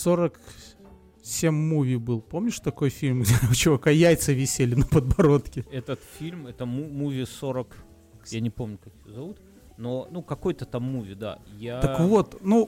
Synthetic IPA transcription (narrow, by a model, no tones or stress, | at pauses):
so̞ɾək | sʲemʲːuvʲijbɨlˠpomnʲɪʂt̪ɐko̞jfʲilʲmɡdʲeʊt͡ɕɪvɐkajæjt̪səvʲɪsʲelʲɪnəpəd̪̚bɐɾo̞t̪kʲɪɛt̪ət̪fʲilʲmɛt̪əmuːuvʲɪsoɾək | janʲɪpo̞mnʲʊkaksʲɪozɐvut̪ | nonukɐko̞jt̪ət̪amːuvʲɪd̪a̰jat̪əkvot̪nu